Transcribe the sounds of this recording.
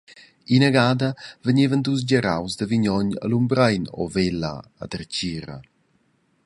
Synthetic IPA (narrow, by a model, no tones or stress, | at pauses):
inəɡaːdəvəɲevənduz̬ɟəɾa̰wzd̪əviɲɔɲə̰lumbɾajnɔ̰velə̰ːdərɟiɾə̰